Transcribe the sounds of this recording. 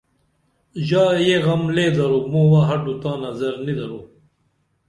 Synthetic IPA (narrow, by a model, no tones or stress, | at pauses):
ʑaːjeɣɐmleːd̪ɐɾumoːwaɦɐɖut̪ãːnɐzɐɾnid̪ɐɾu